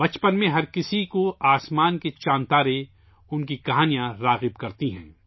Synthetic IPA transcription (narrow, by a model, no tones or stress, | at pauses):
bɐt͡ʃpənmẽɦɐɾkɪsikoaːsmaːnket͡ʃãːnt̪aːɾe | ʊnk̬ikɐɦaːnijãɾaːɣɪbkɐɾt̪iɦɛ̰̃ː